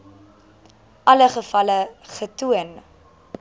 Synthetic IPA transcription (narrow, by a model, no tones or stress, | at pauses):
ʔɐləχəfɐləχətuən